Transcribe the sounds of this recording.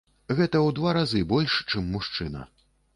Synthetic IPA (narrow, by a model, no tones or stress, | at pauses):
ɣɛt̪ɐwd̪vaɾazɨbɔlʲʂt͡ʂɨmːuʂt͡ʂɨnɐ̰